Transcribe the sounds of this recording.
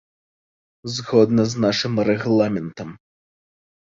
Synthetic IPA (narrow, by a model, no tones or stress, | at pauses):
zɣɔd̪nɐznaʂɨmɾɛɣlˠamʲɛnt̪ɐm